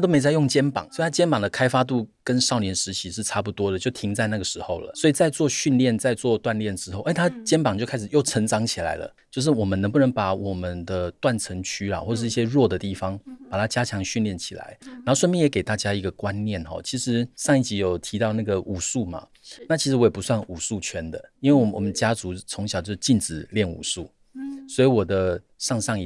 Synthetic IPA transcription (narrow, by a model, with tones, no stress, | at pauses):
at̪o˥me˧ɪt͡sa˥˧ɪjo˥˩ŋt͡ɕjɛ˥npɑ̰˨˩˦ŋswɔ˧˥˨t̪ʰa˥t͡ɕjɛ˥npɑ˨˩ŋd̪ə˩kʰa˥ɪfa˥t̪̬u˥˩kə˦nʂɑ˥˩ʊnjɛ˧˥nʂɻ̩˧˥t͡ɕʰi˧˥ʂɻ̩˥˧ʈ͡ʂʰa˥˧p̬u˥˩t̪wɔ˥d̪ə˨t͡ɕjo˥˩ʊt̪ʰi˧˥ŋt͡sa˥˧ɪna˥˩ɡə˩ʂɻ̩˧˥xo˥˩ʊlə̰˩swɔ˧˥i˨˩t͡sa˥˧ɪt͡swɔ˥˧ɕy˥˧nljɛ˥˩nt͡sa˥˧ɪt͡swɔ˥˧t̪wa˥˧nljɛ˥˩nʈ͡ʂɻ̩˥xo˥˩ʊʔe˥˩ɪt̪ʰa˥t͡ɕjɛ˥npɑ˨˩ŋt͡ɕjo˥˩ʊkʰa˥ʂ̩˨˩jo˥˩ʊʈ͡ʂʰə˧˥ŋʈ͡ʂɑ˧˥ŋt͡ɕʰi˨˩la̰˧˥ɪlə̰˨t͡ɕjo˥˧ʊʂ̬ɻ̩˥˩wɔ˨˩mə˦nə˧˥ŋp̬u˥˩nə˧˥ŋpa˧˩wɔ˨˩mə˨˦nd̪ə˧t̪wa˥˩nt͡sʰə˧˥ŋt͡ɕʰy˥la̰˨xwɔ˥˩˧ʂ̩˥˧i˥˩ɕjɛ˥ɻwɔ˥˩d̪ə˩t̪i˥˩fɑ˧˦ŋpa˨˩t̪ʰa˥t͡ɕja˥t͡ɕʰjɑ˧˥ŋɕy˥˧nljɛ˥˩nt͡ɕʰi̥̰˨˩la̰˧˦ɪna˧˥xo˥˧ʊʂə˥˧mji˥˨njke˨˩t̪a˥˩t͡ɕja˥i˧˥ɡə˧˨kwa˦nnjɛ˥˨nxɔ̰˨˩t͡ɕʰi˧˥ʂɻ̩˧˥ʂɑ˥˧ŋi˥˩t͡ɕi˧˥jo˨˩ʊt̪ʰi˧˥t̪ɑ˥˧ʊna˥˩ɡə˩ʔu˨˩su˥˩ma̰˩ | na˥˩t͡ɕʰi˧˥ʂɻ̩˧˥wɔ˦˥jɛ˨˩pu˧˦swa˥˩nu˨˩su˥˩t͡ɕʰɥɛ˥nd̪ə̰˨i˥nwe˥˩ɪwɔ˨˩wɔ̰˨˩mə˦nt͡ɕja˥t͡su˧˥t͡sʰo˧˥ŋɕjʊt͡ɕjo˥ʊ˥˧t͡ɕi˥˩nʈ͡ʂɻ̩˨˩ljɛ˥˩nṵ˨˩su˥˩ | swɔ˧˥i˧˥wɔ˨˩d̪ə˦ | ʂɑ˥˧ŋʂɑ˥˧ŋ˧˩